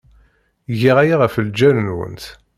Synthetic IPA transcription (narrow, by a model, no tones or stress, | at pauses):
ʝiʁæjaʁəfəld͡ʒænənwə̰nt̪